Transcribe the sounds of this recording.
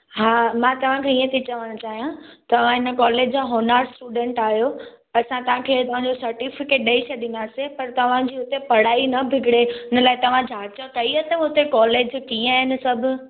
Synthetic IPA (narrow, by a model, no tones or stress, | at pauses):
ɦaːmãt̪ɐʋ̤ãkʰeiːə̃t̪ʰit͡ɕɐʋəɽ̃ʊt͡ɕaːɦijãt̪ɐʋ̤ãɪnə̆kɔːleːd͡ʑd͡ʑaːɦɔːnaːɾɖsʈuːɖẽːɳʈaːɦijo | ɐsãt̪ɐʋ̤ãkʰeːt̪ɐʋ̤ãɲd͡ʑosɐɾʈifɪkeːʈ̚ɗɐiɕʰɐd̪ɪ̃nd̪aːsẽpɐɾt̪ɐʋ̤ãd͡ʑiːʊt̪epɐɽ̤aːinɐbʱɪɡɽeɦɪnə̆laːɪt̪ɐʋ̤ãd͡ʑʱaːt͡ɕəkɐiɐt̪əʊt̪ekɔːleːd͡ʑkiːə̃ɦɪnɪ̆sɐbʱʊ